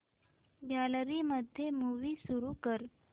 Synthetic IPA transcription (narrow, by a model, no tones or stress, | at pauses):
ɡjalɾiːməd̪ʱjemuʋiːsuɾukəɾ